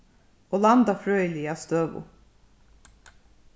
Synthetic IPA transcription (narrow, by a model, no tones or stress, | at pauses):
oːlɑnd̪ɑfɾøːəliːɑːst̪øːʋʊ̰